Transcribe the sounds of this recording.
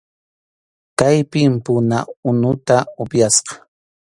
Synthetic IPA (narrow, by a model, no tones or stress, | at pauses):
kajpɪmpʊna̰ʊnʊt̪aʊpjasqɑ̥